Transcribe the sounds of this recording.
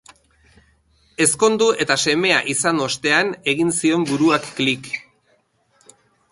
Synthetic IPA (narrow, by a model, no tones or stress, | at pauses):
e̞sko̞nd̪ue̞t̪ase̞me̞a̰ʔisano̞st̪e̞ane̞ɣinsio̞mbuɾuakːlik